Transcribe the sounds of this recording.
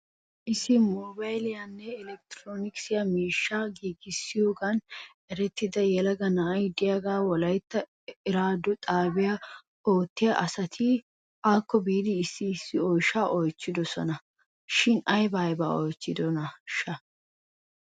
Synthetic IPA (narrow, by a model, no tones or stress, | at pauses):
ʔɪsːɪmoːbɐjlɪjɐnːɛɪlɛk̚t̪ɾoːnɪksɪjɐmiːʃːaɡiːɡɪsːɪjoːɡɐn | ɛɾɛt̪ːɪd̪ɐjɛlɐɡɐnɐɐjd̪ɪjɐɡaːwɔlɐjt̪ːɐ | ɪɾaːd̪ːɔt̪ʼaːbɪja | oːt̪ːɪjɐʔɐsɐt̪ʰi | ʔaːkːɔbiːd̪ɪːsːɪːsːɪɔjʃaːʔɔjt͡ʃːɪd̪ɔsɔ̰nɐ | ʃɪnɐjbaːjba̰ːɔjt͡ʃːɪd̪ɔnɐʃɐ